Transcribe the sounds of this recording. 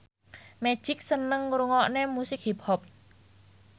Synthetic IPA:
me̥ʒ̥ɪk̚sənəŋːuɾuŋɔʔnemusɪk̚hip̚hɔp̚

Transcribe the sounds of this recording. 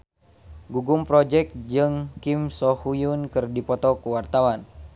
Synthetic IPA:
ɡuɡumpɾɔd͡ʒɛk̪̚d͡ʒɨŋkimsɔhujunkɨrdipɔt̪ɔkuwart̪awan

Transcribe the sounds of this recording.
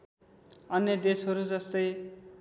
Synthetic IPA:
ʌnjʌd̪esɦʌɾud͡zʌst̪ʌj

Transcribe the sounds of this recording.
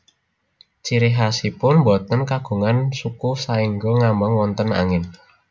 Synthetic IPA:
t͡ʃiɾiɦasipʊnmbɔt̪ənkaɡ̥ṳŋansukusaiŋɡoŋambəŋwɔnt̪əna̰ŋɪn

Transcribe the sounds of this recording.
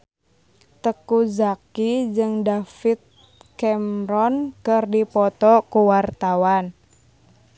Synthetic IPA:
t̪əkuzakid͡ʒɨŋdafit̪̚ | kɛmɾɔnkɨrdipɔt̪ɔkuwart̪awan

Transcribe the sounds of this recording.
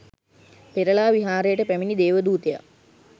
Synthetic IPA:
peɾəlaːʋiɦaːɾejəʈəpæminid̪eːʋəd̪uːt̪eja̰

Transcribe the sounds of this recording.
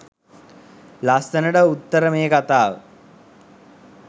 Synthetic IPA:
last̪ənəɖəut̪ːəɾəmeːkat̪aːʋə̰

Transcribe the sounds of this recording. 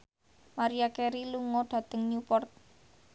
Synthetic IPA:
maɾiakeɾiluŋɔɖ̪̥ä̤t̪əŋɲupɔrt̪̚

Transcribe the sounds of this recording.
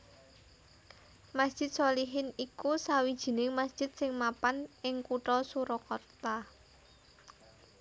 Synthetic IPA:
masd̥ʒ̥ɪ̤t̪̚soliɦɪnikusawid̥ʒ̥i̤nɪŋmasd̥ʒ̥ɪ̤t̪̚sɪŋmapanʔɪŋkuʈɔsuɾɔkɔrt̪a

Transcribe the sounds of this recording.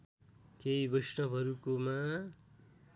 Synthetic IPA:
keibʌjsʈʌpɦʌɾukoma

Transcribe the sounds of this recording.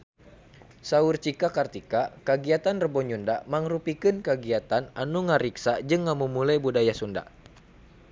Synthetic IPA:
saurt͡ʃikakart̪ikakaɡiat̪anrəbɔɲundamaŋrupikɨnkaɡiat̪ananuŋaɾiksad͡ʒɨŋːamumulajbudajasunda̰

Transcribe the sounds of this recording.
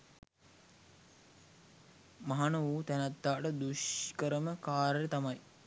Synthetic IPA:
maɦanəʋuːt̪ænɐt̪ːaːʈəd̪uʃkəɾəməkaːɾəɾət̪amɐj

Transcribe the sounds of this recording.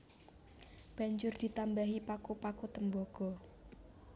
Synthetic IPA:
b̥ä̤ɲd͡ʒʊrd̪̥i̤t̪ambaɦipakopakot̪əmbɔɡ̥ɔ̤

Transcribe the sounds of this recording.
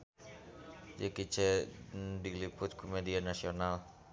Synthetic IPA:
d͡ʒəkit͡ʃɛ | dilipʊt̪̚kʰomedianasional

